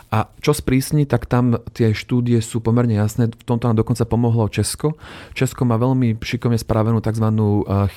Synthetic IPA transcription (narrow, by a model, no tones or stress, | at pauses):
ʔat͡ʃɔspɾiːsɲit̪akt̪amt̪ɪɛʃt̪uːd̪iɪjɛsuːpɔmɛɾɲɛjasnɛːft̪ɔmt̪ɔnamd̪ɔkɔnt͡sapɔmɔɦlɔt͡ʃɛskɔt͡ʃɛskɔmaːʋɛʎmiʃikɔʋɲɛspɾaːʋɛnuːt̪aɡzʋanuː